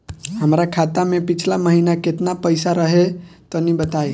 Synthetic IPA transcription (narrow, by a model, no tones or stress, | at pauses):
ɦəmɾakʰat̪amẽpit͡ʃʰlaməɦinaket̪napəjsaɾəɦet̪ɔnibət̪ae